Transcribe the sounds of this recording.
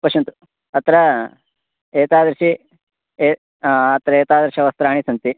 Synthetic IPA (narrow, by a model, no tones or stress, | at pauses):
pɐʃɐnt̪u̥ | ɐt̪ɾɐ | eːt̪aːd̪ɾɐʃi | eː | ɐt̪ɾɐeːt̪aːd̪ɾɐʃiɐʋɐst̪ɾaːɳisɐnt̪i